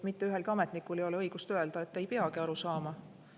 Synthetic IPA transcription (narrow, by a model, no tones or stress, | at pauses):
mit̪ːeyɦe̞lɡ̥ɑme̞t̪nikːˑulejo̞leɤjɡ̥ust̪ø̞e̞ld̪̥ɑe̞t̪ːe̞jpe̞ɑɡiɑɾusɑːmɑ